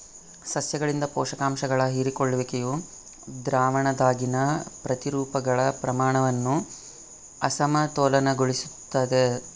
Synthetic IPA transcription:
sɐsjɐɡɐɭind̪ɐpɔːʂɐkaːmʃɐɡɐɭɐɦiːɾikoɭːɐʋekeju | d̪ɾaːʋɐɳɐd̪aːɡinɐpɾɐt̪iɾuːpɐɡɐɭɐpɾɐmaːɳɐʋɐnːu | ɐsɐmɐt̪oːlɐnɐɡoɭisut̪ːaːd̪e

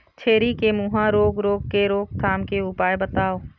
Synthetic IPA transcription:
t͡ʃʰeːɾikemuɦãɾoːɡɾoːɡ̚keɾoːɡ̚t̪ʰaːmkeʊpaːjbət̪aːoː

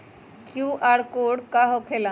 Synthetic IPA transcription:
kjuːʔaːɾkoːɽkaɦokʰela

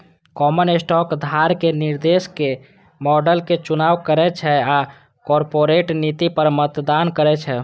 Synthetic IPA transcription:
kɔmənesʈɔkd̪ʱaɾkeniɾd̪eske | mɔɖəlket͡ʃunaʋkəɾɛt͡ʃʰɛa | kɔɾpoɾeʈnit̪ipəɾmət̪d̪ankəɾɛt͡ʃʰɛ

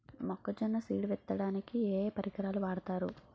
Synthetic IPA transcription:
mɔkːɐt͡ʃɛnːɐsiːɽʋɛt̪ːɐɽaːnikieːpɐɾiɡɐɾaːluʋaːɽɐt̪aːɾṵ

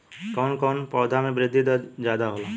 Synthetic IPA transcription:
kɔːnkɔːnpɔːd̪ʱamẽbɾɪd̪ʱːid̪ɔd͡ʒaːd̪aɦolo

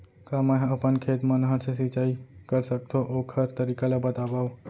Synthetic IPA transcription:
kamə̃ɦɐpənkʰeːt̪mənɦəɾsesit͡ʃaːikəɾsək̚t̪ʰoʔoːkʰəɾt̪əɾiːkalabət̪abaːo

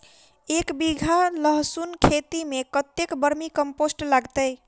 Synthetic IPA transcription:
ekbiɡʱaləɦsunkʰet̪imekət̪ːekbəɾmikəmposʈlaɡt̪əj

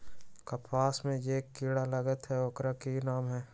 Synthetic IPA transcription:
kɐpʰaːsmẽjeːkːiːɽaləɡət̪ɦɛoːkɾakinaːmɦɛː

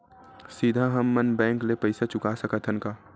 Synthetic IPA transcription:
siːd̪ʱaɦəmːənbɛ̃ːŋklepəɪsat͡ʃʊkasəkət̪ʰənkaː

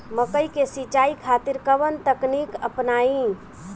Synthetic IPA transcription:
məkəikesit͡ʃaikʰat̪iɾkəʋənt̪əknikəpnaĩ

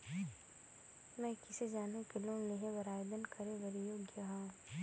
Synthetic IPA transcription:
mɛ̃kɪsed͡ʒaːnekeloːneɦẽʋɐɾaːd̪ənkɐɾẽʋɐɾijoːɡjəɦaː

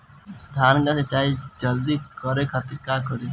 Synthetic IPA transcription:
d̪ʱaːɾɡaset͡ʃaːid͡ʒəld̪ikɔɾekʰət̪iɾkakɔɾi

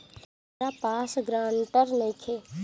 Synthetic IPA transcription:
apaːsɡɾãːɳʈəɾneːkʰeː

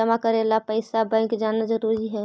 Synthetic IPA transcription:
əmakəɾeːlapəɪsabɛ̃kd͡ʒaːnad͡ʒəɾuːɾiɦɛː

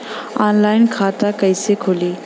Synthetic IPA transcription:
aːnlaːɪnkʰaːt̪akəɪsekʰoːliː

